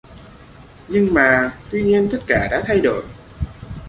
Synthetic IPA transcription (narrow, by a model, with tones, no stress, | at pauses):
ɲɨ˧ŋmaː˨˩t̪wi˧ɲi˧ənt̪ə˦˥t̚kaː˧˩ɗa̰ː˧˥t̪ʰa˧jɗo̰˧˩˨j